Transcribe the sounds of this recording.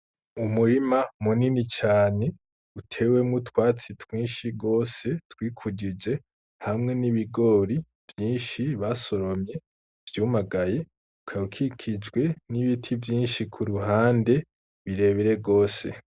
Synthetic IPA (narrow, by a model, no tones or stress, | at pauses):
umuɾimamuninit͡ʃaːne̞ | utʰe̞ːwe̞mŋutwaːt͡sitwiːnʃiɡo̞ːse̞twiːkʰuɟid͡ʒe̞ | hamŋe̞niβiɡo̞ːɾi | v̥jiːnʃiβaso̞ɾo̞mɲe̞ | v̥juːmaɡaje̞ | ukʰaukʰikʰid͡ʒɡwe̞niβitʰivjiːnʃikʰuɾuɦaːnde̞ | βiɾe̞βiɾe̞ɡo̞ːse̞̰